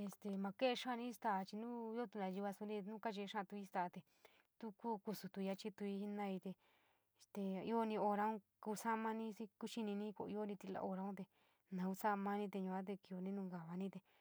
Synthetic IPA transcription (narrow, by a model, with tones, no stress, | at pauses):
e˧st̪e˧mã˧ke˦e˧ʂã˦˧nĩ˦st̪a˧˨˧t͡ʃi˧nũː˦o˦t̪u˧nã˧ji˧βa˧su˧nĩ˧nũ˦ka˦t͡ʃe˧ʂã˦˧t̪u˧i˦st̪a˧t̪e˧ | t̪u˦ku˦ku˧su˧t̪u˧ja˧t͡ʃi˦t̪u˧i˧i˧nã˧i˧t̪e˧˨ | st̪e˧i˦o˧nĩ˧o˧ɾa˧˦ũ˦ | ku˧sa˦˧mã˧nĩ˦si˦ku˦ʃi˧nĩ˧nĩ˦˧kʷo̰˧˨˧i˧˦o˦˧nĩ˧t̪i˧la̰˧o˧ɾa˧ũ˦t̪e˧ | nã˧ku˧sa˦˧mã˦nĩ˧t̪e˧ɲũ˧ã˦t̪̬e˧ki˧o˧nĩ˦nũ˧ŋɡa˨βa˧nĩ˦t̪e˧